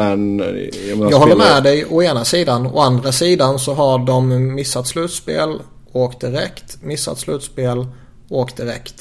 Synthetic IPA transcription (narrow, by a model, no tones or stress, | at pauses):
ɛn | jɑːɦɔːəɾmɛːd̪ɛjɔeːnasiːd̪anɔ̰and̪ɾasiːd̪ansɔɦaɖɔmːɪsːat̪slʉ̟ːt̪spḛːl | oːkt̪̚d̪ɪɾɛkt̪mɪsːa̰t̪slʉ̟ːt̪speːl | oːkt̪̚d̪ɪɾɛ̰kt̪